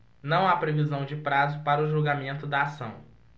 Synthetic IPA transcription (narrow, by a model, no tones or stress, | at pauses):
nɐ̃w̃apɾevizɐ̃w̃d͡ʒɪpɾazʊpaɾɐʊʒuɡamẽnt̪ʊd̪ɐːsɐ̰̃w̃